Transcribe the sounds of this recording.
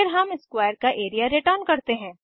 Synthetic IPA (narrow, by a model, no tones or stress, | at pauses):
ɪɾɦɐmɪskwaːjəɾkaʔeːɾijaɾɪʈəɾnkɐɾt̪eɦɛ̃ː